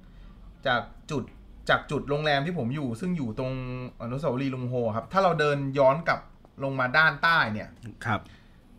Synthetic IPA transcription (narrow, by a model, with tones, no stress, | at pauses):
t͡ɕaː˨˩k̚t͡ɕu˨˩t̪̚ | t͡ɕaː˨˩k̚t͡ɕu˨˩t̪̚ɾoː˧ŋlɛː˧mt̪ʰiː˥˩pʰo˩˦mjuː˨˩sɯ˥˩ŋjuː˨˩t̪ɾo˧ŋʔa˧nu˦˥saː˨˧˦wa˦liː˧lo˧ŋɦoː˧˩kʰa˦˥p̚t̪ʰaː˥˩ɾa˧wdɤː˧njɔː˦˥nka˨˩p̚ | lo˧ŋmaː˧daː˥˩nt̪aː˥˩jni˥˩ɐkʰa˦˥p̚